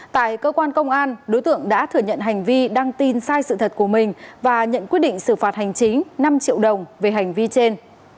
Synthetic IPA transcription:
t̪a̰ː˧˨jkəː˧kwaː˧nkə˧wŋ͡mʔaː˧nɗo˨˦jt̪ɨ̰˧˨əŋɗa̰ː˧˥t̪ʰɨ˨˩əɲə̰˧˨nɦa˨˩jŋ̟vi˧ɗa˧ŋt̪i˨˩nsaː˧jsɨ̰˧˨t̪ʰə˨˩t̚ku˧˩əmï˨˩ŋ̟vaː˨˩ɲə̰˧˨nkwi˦˥ət̚ɗḭ˧˨ŋ̟sɨ˧˩faː˨˩t̚ha˨˩jŋ̟t͡ɕi˨˦ŋ̟na˧mt͡ɕḭ˧˨əwɗə˨˩wŋ͡mve˨˩ɦa˨˩jŋ̟vi˧t͡ɕe˧n

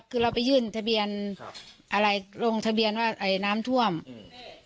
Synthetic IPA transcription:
kʰɯː˧˩la˧˩wpa˨jːɯː˧˩nt̪ʰa˧bi˧˩ən | ʔa˧la˧˩jlo˧˩ŋt̪ʰa˧bi˧˨ənwaː˧˩ʔa˨˧˩jnaː˦˥˨mt̪ʰu˧˩əm

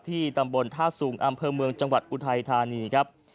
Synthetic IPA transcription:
t̪ʰiː˥˩t̪a˧mbo˧nt̪ʰaː˥˩suː˩˦ŋʔa˧mpʰɤː˧mɯ˧əŋt͡ɕa˧ŋwa˨˩t̪̚ʔu˧˩t̪ʰa˧jt̪ʰaː˧niː˧kʰɾa˦˥p̚

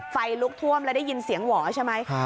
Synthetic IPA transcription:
fa˧jlu˦˥k̚t̪ʰu˥˩əmlɛ˦˥da˥˩jːi˧nsi˨˩˦əŋwɔː˩˦t͡ɕʰa˥˩jma˦˥j

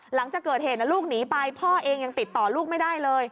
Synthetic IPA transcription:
la˩˦ŋt͡ɕaː˨˩kɤː˨˩heː˨˩t̪na˧˩luː˥˩k̚niː˩˦pa˧jpʰɔː˥˩ʔeː˧ŋja˧ŋt̪i˨˩t̪ːɔː˨˩luː˥˩k̚ma˥˩jdaː˥˩jlɤː˧j

